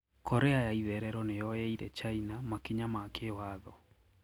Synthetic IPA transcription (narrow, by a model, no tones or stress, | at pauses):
kʰɔɾɛajaiðɛɾɛɾɔnejɔjɛiɾɛt͡ʃainamakiɲamakʰewaðɔ